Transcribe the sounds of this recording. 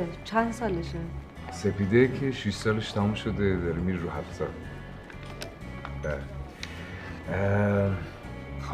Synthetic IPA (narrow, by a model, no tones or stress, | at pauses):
et͡ʃʰænd̪sɑːleʃe | sepid̪ekʰeʃiʃsɑːleʃt̪ʰæmumʃod̪ed̪ɒɾimiɾːuɦæfsɑ | bæle | x